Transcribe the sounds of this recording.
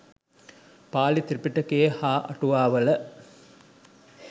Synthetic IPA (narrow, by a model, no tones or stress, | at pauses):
paːlit̪iɾipːiʈːɐkːejehaːʔɐ̰ʈuʋaːʋɐlɐ